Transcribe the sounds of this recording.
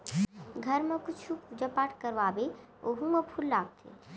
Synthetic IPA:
ɡʱəɾmẽkʊt͡ʃʰud͡ʒəpaːʈkəɾʋaːbe | oɦũməpʰulːaːɡ̚t̪ʰḛ

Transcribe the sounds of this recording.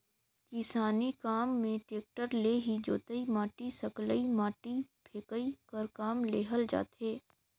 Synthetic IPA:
kɪsaːnikaːmːẽʈeːk̚ʈəɾleːɦid͡ʒo̰ːt̪əimaːʈisɐkləimaːʈipʰeːkəikɐɾkaːmleːɦəld͡ʒa̰ːt̪ɦeː

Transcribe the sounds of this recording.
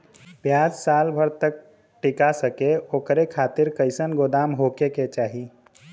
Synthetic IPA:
pjaːd͡ʒsaːlbʱəɾt̪ək̚ | ʈɪkasəkeoːkɾekʰaːt̪ɪɾkəɪsənɡoːd̪aːmɦoːkeket͡ʃaːɦi

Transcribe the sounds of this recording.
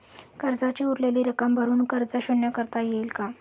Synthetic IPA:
kəɾd͡zat͡ɕiːuɾlaliːɾəkəmbʱəɾuːnkəɾd͡zəɕuɳjakəɾt̪ajelka

